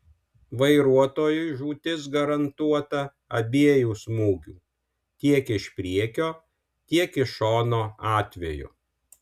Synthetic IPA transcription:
ʋɐɪɾuɔt̪oːjʊɪʒuːt̪ʲɪs̬ɡɐɾɐnt̪uɔt̪ɐ | ɐbʲeːjuːsmuːɡʲṵː | t̪ʲiɛkɪʃpʲɾʲiɛkʲoː | t̪ʲiɛkɪʃoːnoːɑːt̪ʲʋʲɛjʊ̰

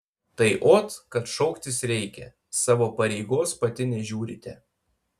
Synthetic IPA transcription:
t̪ɐɪʔoːt̪kɐt̪ʃɔʊkt̪ʲɪsɾʲɛɪkʲɛ̰ | sɑːʋoːpɐɾʲɛɪɡoːspɐt̪ʲɪnʲɛʒʲuːɾʲɪ̰t̪ʲɛ

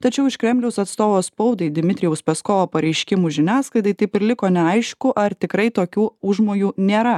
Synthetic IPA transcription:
t̪ɐt͡ʃʲɛʊɪʃkɾʲɛmʲlʲɛʊsɐt̪st̪oːʋoːspɐʊd̪ɐɪd̪ʲɪmʲɪt̪ʲɾʲɪjɛʊspʲɛskoːʋoːpɐɾʲɛɪʃʲkʲɪmuːʒʲɪnʲæːsklˠɐɪd̪ɐɪt̪ɐɪpɪɾʲlʲɪkoːnʲɛɐɪʃkʊʔɐɾt̪ʲɪkɾɐɪt̪oːkʲuːʊʒmoːjuːnʲeːɾɐ

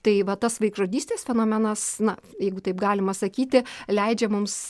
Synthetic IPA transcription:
t̪ɐɪʋɐt̪ɐsʋɐɪkʒoːd̪ʲiːsʲt̪ʲeːsfʲɛnoːmʲɛnɐsnɐjɛɪɡʊt̪ɐɪpɡɑːlʲɪmɐsɐkʲiːt̪ʲɪlʲɛɪd͡ʒʲɛmʊms

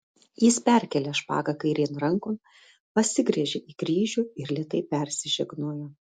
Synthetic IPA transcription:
jɪspʲɛˑɾʲkʲɛlʲɛʃpɑ̰ːɡɐkɐɪɾʲenɾɐŋkoː | pɐsʲɪɡɾʲɛʒʲeʔiːkɾʲiːʒʲuːɪɾlʲɛt̪ɐɪpʲɛɾʲsʲɪʒʲɛɡnuːjoː

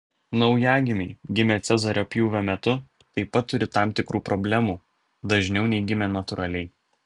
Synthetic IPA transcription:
nɒʊjæːɡʲɪmʲɛɪɡʲɪmʲet̪sʲɛzɐɾʲoːpʲjuːʋʲomʲɛt̪ʊ | t̪ɐɪpːɐt̪ːʊɾʲɪt̪ɑˑmt̪ʲɪkɾuːpɾɔbʲlʲæmuː | d̪ɐʒʲnʲɛʊnʲɛɪɡʲɪmʲeːnɐt̪ʊɾʔɐlʲɛɪ

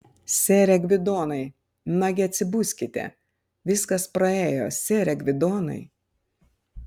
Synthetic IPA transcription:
sʲeːɾʲɛɡʲʋʲɪd̪oːnɐɪ | nɐɡʲɪɐt̪ʲsʲɪbʊsʲkʲɪt̪ʲɛ̰ | ʋʲɪskɐspɾɐeːjo̰ːsʲeːɾʲɛɡʋʲɪd̪oːnɐ̰ɪ

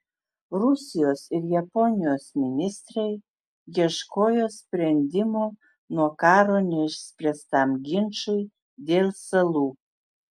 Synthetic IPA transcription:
ɾʊsʲɪjoːsɪɾjɛpɔnʲɪjoːsmʲɪnʲɪst̪ɾɐɪ | jʲiɛʃkoːjoːsʲpʲɾʲɛnʲd̪ʲɪmoː | nuɔkɑːɾoːnʲɛʃsʲpʲɾʲɛst̪ɑmɡʲɪnʃʊɪ | d̪ʲeːlˠsɐlˠuː

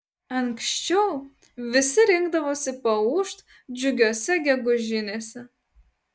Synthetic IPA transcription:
ɐŋkʃʲt͡ʃʲɛʊ | ʋʲɪsʲɪɾʲɪŋɡd̪ɐʋoːsʲɪpɐuːʃt̪ | d͡ʒʲʊɡʲoːsʲɛɡʲɛɡʊʒʲɪnʲeːsʲɛ

